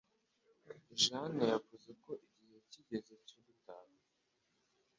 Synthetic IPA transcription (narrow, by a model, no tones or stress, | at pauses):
ʒanajavuzeko̞ʔiɟihe̞ciɟe̞zecubutaka